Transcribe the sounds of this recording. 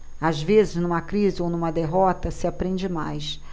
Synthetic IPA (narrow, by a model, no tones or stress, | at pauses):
azvezɪznũmɐkɾizɪownũmɐd̪eɦɔt̪ɐsɪapɾẽnd͡ʒɪma̰js